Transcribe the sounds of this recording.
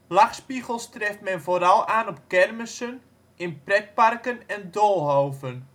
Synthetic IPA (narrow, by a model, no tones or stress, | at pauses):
lɑχspiɣəlˠstrɛftmɛnvoːɾɑlˠaːnɔpkɛrməsən | ɪnprɛt̚parkənɛndolˠɦoːvən